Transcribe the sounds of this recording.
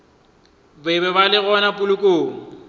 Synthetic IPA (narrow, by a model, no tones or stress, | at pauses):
bɪbɛbalɪɣɔnapʼʊlʊkʼoːŋ̩